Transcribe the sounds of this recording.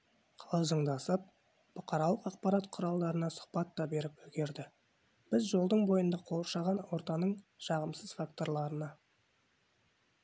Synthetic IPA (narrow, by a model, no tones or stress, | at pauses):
qʰɑlˠɑʒəɴd̪ɑsəp̚ | b̥ʊqʰɑɾɑlˠəqɑq̚pɑɾɑt̪qʰʊɾɑlˠd̪ɑɾənɑsʊ̥χpɑt̪ːɑbe̞ɾɪpɵɡʲe̞ɾd̪ɪ | b̥ɪzʒo̞lˠd̪əɴbo̞jənd̪ɑqʰo̞lˠʃɑʁɑnwo̞ɾt̪ɑnəɴʃɑʁəmsəz̥fak̚t̪o̞ɾlˠɑɾənɑ